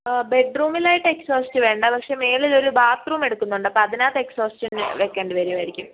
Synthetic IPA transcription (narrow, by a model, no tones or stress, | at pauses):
be̞ɖruːmilaːjiʈːɨekso̞ːstɨʋe̞ːɳɖɐpɐkʂe̞me̞ːlilo̞ɾubaːt̪ruːme̞ɽukːunːuɳɖɨpɐɐðinaːt̪ːeekso̞ːstɨn̰ʋekːeːɳɖɨʋɐɾiʋɐɾikʲːum